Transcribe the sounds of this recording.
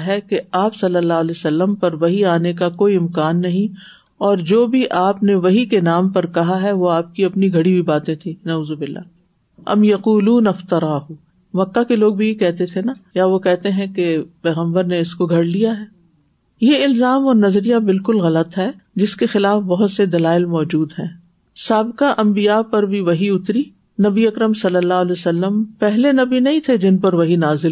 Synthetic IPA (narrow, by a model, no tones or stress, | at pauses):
ɦɛkeaːpsɐlːəlːaːɦleːsɐlːəmpɐɾʋɐɦiaːnek̬akoːiɪmkaːnːɐɦĩ | ɔːɾd͡ʒoːbʱiʔaːpneʋɐɦikenaːmpɐɾkɐɦaɦɛʋoaːp̚kiɐpniɡʱɐɽibʱibaːt̪ẽt̪ʰĩnɐuːzobɪlːa̰ː | ʔɐ̰mjɐquːluːnɐft̪ɐɾaːɦu | mɐkːakeloːɡ̚bʱijekɛɦt̪et̪ʰenajaʋokɛɦt̪eɦɛ̃kepɛːɣə̃mbəɾneɪskoɡʱɐɽlijaɦɛː | jeɪlzaːmɔːɾnɐzɾijabɪlkʊlɣɐlət̪ɦɛd͡ʒɪskexɪlaːfbɐɦʊt̪sed̪ɐlaːɪlmɔːd͡ʒuːd̪ɦɛ̰̃ː | saːbkaʔɐ̃mbijapɐɾbʱiʋɐɦiʊt̪ɾi | nɐbiɐkɾəmsɐlːəlːaːɦlɛːsɐlːəmpɛɦlenɐbinɐɦĩt̪ʰed͡ʒɪnpɐɾʋɐɦinaːzɪl